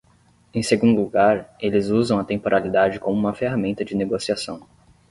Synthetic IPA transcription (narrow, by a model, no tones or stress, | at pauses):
ẽj̃seɡũnd̪ʊluɡaɾelɪzuzɐ̃w̃ɐt̪ẽpoɾʔalid̪ad͡ʒɪkõmʊũmɐfeɦamẽnt̪ɐd͡ʒɪneɡosiasɐ̃w̃